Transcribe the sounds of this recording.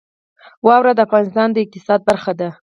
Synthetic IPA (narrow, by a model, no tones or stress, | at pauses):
wɑwɾad̪əafɣɑnɪst̪ɑnd̪əɪq̚t̪ɪsɑd̪̚baɾxad̪a